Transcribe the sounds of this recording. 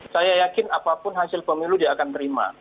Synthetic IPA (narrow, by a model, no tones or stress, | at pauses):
sajajakɪnapapʊnɦasɪlpəmiludiaːkant̪əɾima̰